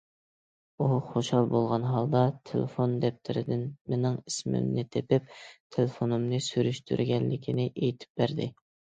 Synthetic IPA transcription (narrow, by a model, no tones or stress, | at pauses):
uχoʃɑlˠbolˠʁɑnɦɑlˠd̪ɑt̪ʰḛlḛfond̪ɛp̚t̪ʰɪɾɪd̪ɪnmenɪŋismɪ̰mnɪt̪ʰepɪpt̪ʰelefonɨmnɨsyɾyʃt̪ʰy̰ɾɡʲɛnlːɪkʲʰinɪʔejt̪ʰɪ̥p̚bæɾd̪ɪ